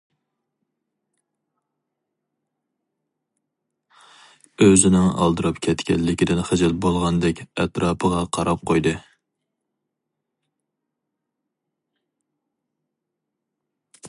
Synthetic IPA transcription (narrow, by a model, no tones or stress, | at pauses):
øzɪnɪŋɑ̰lˠd̪ɨɾɑpkʲʰɛt̪kʲʰɛ̰lːɪkʲid̪ɪnχæd͡ʒɛlbolˠʁɑnd̪ɛkʲɛt̪ɾɑːpʰəʁɑqʰɑɾɑp̚qʰojd̪ɨ